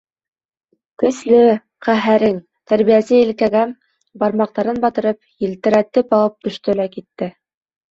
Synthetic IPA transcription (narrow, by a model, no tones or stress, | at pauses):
kɵ̆slɘ | qæɦæɾɘŋ | t̪æɾβijæsɘilkæɡæ | bɑɾmɑq̚t̪ɑɾɤnbɑt̪ɤ̆ɾɤpjɘ̆lt̪ɘ̆ɾæt̪ɘpɑlˠɤp̚t̪ɵ̆ʃt̪ɵ̆lækit̪ːɘ